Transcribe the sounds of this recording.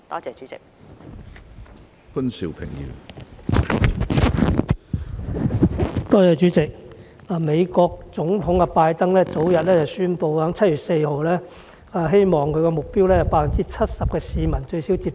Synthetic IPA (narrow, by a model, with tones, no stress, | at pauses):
t̪ɔː˥t͡sɛː˨˧t͡ʃyː˨˥t͡sɪ̰˨k̚ | kʊ˥nsḭ˨˧wpʰɪ̰˨˩ŋjḭ˨˩w | t̪ɔː˥t͡sɛː˨˧t͡ʃyː˨˥t͡sɪ˨k̚ | aː˨me˨˧jkɔː˧k̚t͡sʊ˨˥ŋt̪ʰʊ˨˥ŋkɛ˧paː˧jt̪ɐ˥ŋlɛː˥t͡so˨˥wjɐ˨t̚lɛː˥t͡sɐ˨˩wsyː˥npo˧whœː˨˥ŋt͡sʰɐ˥t̚jyː˨˩t̚se˧jho˨wlɛː˥ | aː˨˧ɦe˥jmɔː˨˩ŋkʰɵ˧ɥkɛː˧mʊ˨k̚piː˥wlɛː˥t͡sɐ˨wpaː˧t̚fɐ˨nt͡siː˦˥t͡sʰɐ˥t̚sɐ˨p̚kɛː˧siː˨˧mɐ˨˩nt͡ʃɵ˧ɥsi˨˥wt͡siː˧p̚